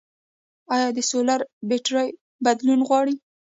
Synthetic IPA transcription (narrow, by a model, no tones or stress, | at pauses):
ɑjɑd̪əsolaɾbeʈɾɑj | bad̪lunɣwɑɽi